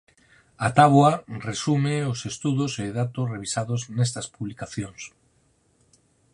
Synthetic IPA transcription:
at̪aβwaresumɪʊsest̪uðʊseðat̪ʊsreβisaðʊznest̪ɐspuβlikaθjoŋs

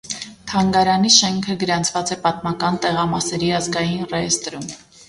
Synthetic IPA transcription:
t̪ʰɑŋɡɑɾɑniʃɛŋkʰəɡəɾɑnt͡sʰvɑt͡sɛpɑt̪mɑkɑnt̪ɛʁɑmɑsɛɾiɑzɡɑjinrɛɛst̪ɾum

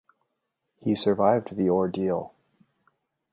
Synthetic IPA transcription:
hisə˞vaɪvdðiɔɹdil̩ˠ

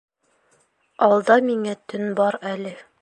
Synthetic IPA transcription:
ɑlˠd̪ɑmiŋæt̪ɵnbɑɾælɘ

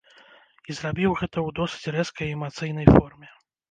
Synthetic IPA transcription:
izrabʲiwɣɛt̪ɐwd̪ɔsɨ̥t͡sʲrɛskɐjɛmat̪sɨjnɐjfɔrmʲɛ

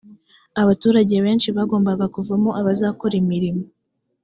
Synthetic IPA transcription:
aβatuːɾaɟe̞βe̞ːnʃiβaɡo̞ːmbaɡakuvamo̞ʔaβazaːko̞ɾimiɾimo

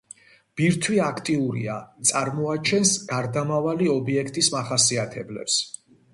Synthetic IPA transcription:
b̥iɾt̪ʰwiakʰt̪ʼiuɾḭa̰t̪sʼaɾmɔat͡ʃʰɛnsɡaɾd̪amavaliɔbiɛkʰt̪ʼismaχasiat̪ʰɛblɛ̰ps

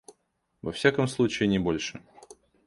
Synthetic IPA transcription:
vɐfsʲakəmslˠut͡ɕɪɪnʲɪbo̞lʲʂɨ

